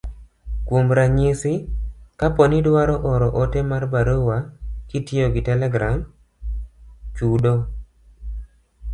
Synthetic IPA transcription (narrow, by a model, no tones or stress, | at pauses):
kwomɾaɲisɪkapɔnidwaɾɔʔɔɾɔʔotemarbaɾowakitɪoɡɪtɛlɛɡɾam | t͡ʃudo